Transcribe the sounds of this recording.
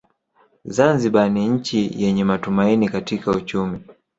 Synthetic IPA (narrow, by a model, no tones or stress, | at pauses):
zanziɓaniɲ̩t͡ʃijɛɲɛmatumainikatikaut͡ʃumi